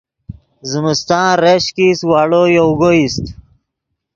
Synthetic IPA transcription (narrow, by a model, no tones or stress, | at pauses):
zimist̪ãːɾeɕkiswaːɽojowɡoist̪